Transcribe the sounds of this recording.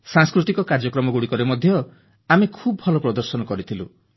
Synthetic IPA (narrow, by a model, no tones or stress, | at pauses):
sãŋskɾut̪ikɔkaɾd͡ʒɔkɾɔmɔɡuɽikɔɾemɔd̪ʱjɔ | amekʰubɔɔlɔpɾɔd̪ɔɾsɔnɔkɔɾit̪ʰilṵ